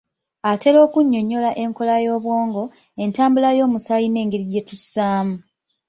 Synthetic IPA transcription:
ate̞lo̞ːkuɲːo̞ɲːo̞laʔe̞ŋko̞lajo̞ːβwo̞ːŋɡo̞ | e̞ntaːmbulajo̞ːmusajine̞ːŋɡeɾiɟe̞tusaːmu

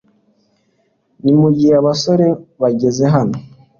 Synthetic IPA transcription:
nimuɟiheaβaso̞ɾe̞βaɟe̞ze̞ɦano

